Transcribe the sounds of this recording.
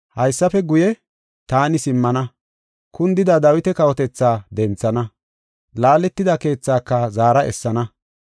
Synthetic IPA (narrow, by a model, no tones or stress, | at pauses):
hɐjsːɐfɛɡʊjɛ | t̪aːnɪsɪmːɐnɐ | kʊnd̪ɪd̪ɐd̪ɐwɪt̪ɛkɐwɔt̪ɛt͡sːaːd̪ɛnt͡sːɐnɐ | laːlɛt̪ːɪd̪ɐke̞ːt͡sːaːkːɐzaːɾɐʔɛ̰sːɐnɐ